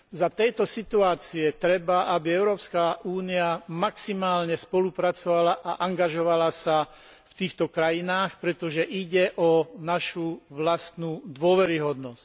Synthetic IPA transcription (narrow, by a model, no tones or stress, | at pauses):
zat̪ɛjt̪ɔsit̪uaːt͡siɛt̪ɾɛbaʔabiɛʊɾɔːpskaʔuːniamaksimaːlɲɛspɔlupɾat͡sɔʋalaʔaʔaŋɡaʒɔʋalasa | ft̪iːxt̪ɔkɾajinaːxpɾɛt̪ɔʒɛʔiɟɛʔɔnaʃuʋlast̪nud̪ʊɔʋɛɾiɦɔd̪nɔsc